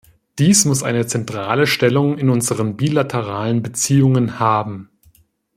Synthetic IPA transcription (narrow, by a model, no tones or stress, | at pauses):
d̥iːsmʊsʔa̰ɪnət͡sɛntʁ̥aːləʃtɛlʊŋɪnʔʊnzəʁənbiːlatʰəʁaːlənbət͡siːʊŋənhaːbm̩